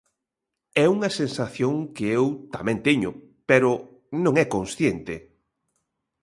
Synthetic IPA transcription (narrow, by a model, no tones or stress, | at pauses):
ɛuŋɐsensaθjoŋkɪewt̪amɛ̃nt̪eɲʊ | peɾʊ | nõŋɛkonsθjent̪ɪ